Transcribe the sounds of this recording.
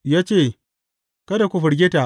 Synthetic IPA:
jaː˦t͡ʃeː˦˨ | kɐ˦da˨kʷʊ˨ɸʊ˨ɽɡʲe˦ta˨

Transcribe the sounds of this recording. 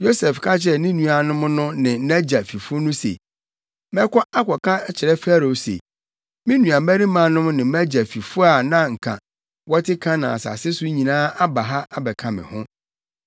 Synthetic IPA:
jo˦sɛ˨fkʰa˦t͡ɕʰɪ˦ɾɛ˦˨nɪ̃˦nũ˨a˨nʊ̃˦m˦nʊ̃˦nɪ̃˨˦æ˦d͡ʑa˨fi˨fʊ˦nʊ̃˦sḛ˨ | mɛ̃˦kɔ˦a˦kʷʰɔ˨kʰã˦t͡ɕʰɪ˨ɾɛ˦fa˦ɾo˨˦sḛ˨ | mɪ̃˦nũ˨a˨mæ˦ɾĩ˦mã˨nʊ̃˦m˦nɪ̃˨m˦æ˦d͡ʑa˨fi˨fʊ˦a˨nã˦ŋ̩˨kʰã̰˨ | wɔ˦tʰɪ˦kʰã˦nã̰˨a˨sa̰˨sɪ˦sʊ˦ɲĩ˨nãː˦a˦ba˨ɦa˦a˨bɛ˨kʰã˨mɪ̰̃˨hʊ̃˦

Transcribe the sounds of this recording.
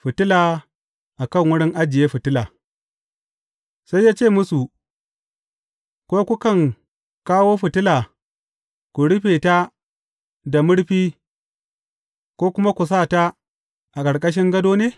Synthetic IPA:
ɸɪ˨tɪ˦laː˨ | ʔa˨kɐ˦˨ŋwʊ˦ɽɪ˦ŋʔa˦d͡ʒɪ˨jeː˦ɸɪ˨tɪ˦laː˨ | sa˦jːaː˦t͡ʃeː˦˨mʊ˦su˨ | kʷoː˦kʷu˦kɐ˦˨ŋ | kaː˦woː˦ɸɪ˨tɪ˦laː˨ | kʷu˨ɽɪ˦ɸeː˨ta˦ | da˨mʊ˦ɽɸiː˦ | kʷoː˦kʷʊ˦ma˦kʷu˨s̬aː˦˨ta˦ | ʔa˨kʼɐ˨ɽkʼɐ˦ʃ̬ɪ˦ŋɡɐ˦doː˦neː˦

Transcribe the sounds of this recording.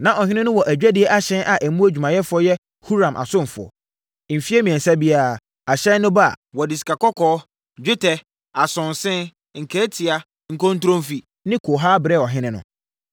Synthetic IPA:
nã˦ʔɔ˨ɦɪ̃˦nɪ̃˦nʊ̃˦wɔ˨ʔæ˨d͡ʑᶣæ˦dɪ˨˦ɛ˦ʔa˦ɕɛ̃˦nʔa˨ʔæ˨mũ˦æ˦d͡ʑᶣu˨mã˨jɛ˦fʊ˨˦ɔ˦jɛ˦ | hu˦ɾã˨mʔa̰˨sʊ̃˦m˨fʊ˨ɔ̰˨ | m̩˨fi˦ɛ˦mĩ˨ɛ̃˨nsa˦bi˦a˨ | a˨ɕɛ̃˦nʊ̃˦ba̰˦˨wɔ˨dɪ˨si̥˨kʰa˨kɔ˦kʰɔː˦ | d͡ʑᶣɪ˦tʰɛ˨ | a˨sʊ̃˨n˨sɪ̃˦n | ŋ̩˨kʰɛ˦tʰi˨a˨ | ŋ̩˨kɔ̃˦n̩˦tʊ˦ɾõ˦mfi˨ | nɪ̃˦kʰo˨ɦaː˦bɾɛ˦˨ɔ˨ɦɪ̃˦nɪ̃˦nʊ̰̃˨

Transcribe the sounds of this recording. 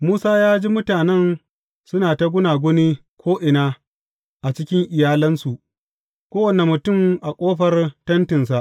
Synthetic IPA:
muː˦saː˦jaː˦d͡ʒiː˦mʊ˦taː˨nɛ˦˨n | sʊ˦naː˨ta˦ɡʷʊ˦naː˨ɡʷʊ˦niː˦ | kʷʰoː˦ʔɪ˨naː˦ | ʔa˨t͡ʃɪ˦kʲɪ˦ŋʔɪ˨jaː˦lɐ˦nsu˨ʔ | kʷoː˦wɐ˨ne˨mʊ˨tʊ˦˨mʔa˨kʷʼoː˦ɸɐ˦rtɐ˦ntɪ˨ns̬a˨ʔ

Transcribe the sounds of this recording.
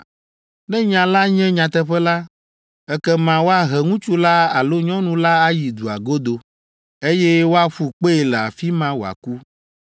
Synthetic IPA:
nɛ̃˦ɲã˨la˦ɲɛ̃˦ɲã˨t̪ɛ˦ɸɛ˦la˦ | ɛ˦kɛ˦mã˨wo˦a˦ɦɛ˨ŋũ˦t͡ʃu˦la˦a˨lo˦ɲɔ̃˦nũ˦la˦a˦ji˨d̪u˨a˨ɡo˦d̪o˨ | e˦jɛ˦wo˦a˦ɸu˨k͡pe˦e˨lɛ˨a˨fi˦mã˦wo˨a̰˨ku˦

